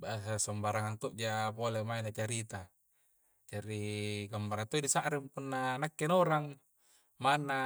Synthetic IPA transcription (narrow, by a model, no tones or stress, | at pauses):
basasɔmbaɾaŋaŋt̪uʔd͡ʒapolemainat͡ʃaɾit̪a | d͡ʒaɾiɡambaɾat̪oidisaʔɾimpunːanakːenoɾaŋ | manːa